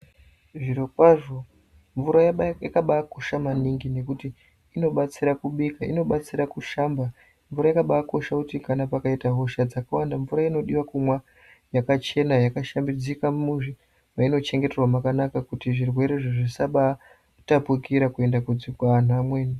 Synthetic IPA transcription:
ʐiɾokwaʐo̞ | ɱvuɾajakaɓako̞ʃamaniŋɡine̞kutiː | no̞ɓat͡siɾakuɓikaḭno̞ɓat͡siɾakuʃamba | ɱvuɾajakaɓaːko̞ʃakutikanapakaitaɦoʃad͡zakawandaɱvuɾaino̞ɗiwakumwa | jakat͡ʃe̞najakaʃambid͡zikamuʐi | maino̞t͡ʃe̞ŋɡe̞terwamakanakakutiʐirwe̞ɾe̞ʐiʐisaɓa | tapukiɾakue̞ndakud͡zikwan̤uamweːni

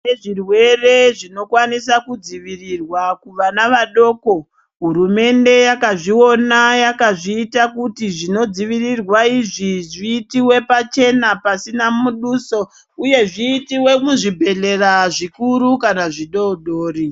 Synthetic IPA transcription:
eʐirwe̞re̞ʐino̞kwanisakud͡ziʋirirwakuʋanaʋaɗo̞ːko̞ | ɦuɾume̞nde̞jakaʐio̞najakaʐiːtakutiʐino̞d͡ziʋirirwaiʐiʐiːtiwe̞pat͡ʃe̞napasinamuɗuso̞ | uje̞ʐiːtiwe̞muʐibʱe̞le̞raʐikuɾukanaʐiɗo̞ɗoːri

